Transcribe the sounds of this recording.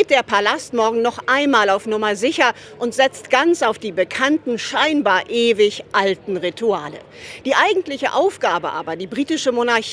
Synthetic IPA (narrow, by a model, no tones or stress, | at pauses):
t̚d̥eːɐpʰalastmɔɐɡŋ̩nɔχʔaɪnmaːlaʊfnʊmɐzɪçɐ | ʔʊntz̥ɛt͡stɡ̥ant͡saʊfd̥iːbəkʰantn̩ʃaɪnbaːɐʔeːvɪçʔaltn̩ʁitʰuaːlə̰ | d̥iːʔaɪɡŋ̩tlɪçəʔaʊfɡ̥aːbəʔa̰ːbɐdiːbʁiːtɪʃəmonaɐç